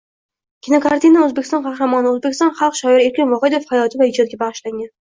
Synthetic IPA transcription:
kʲʰinokaɾt̪inaɵzbekʲɪst̪ɒ̃nqʰɑhɾamɒnɪɵzbekʲɪst̪ɒnχɑlˠqʃɒɪɾɪe̞ɾkʲɪnvɒhed̪ofhajɒt̪ʰɪvahɪd͡ʒɒt̪̚ɡʲabaʁɨʃlaŋʲan

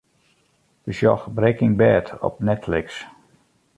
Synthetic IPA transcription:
ʋəsjɔxbrɛkɪŋbɛːtʰɔ̰p̚nɛtflɪks

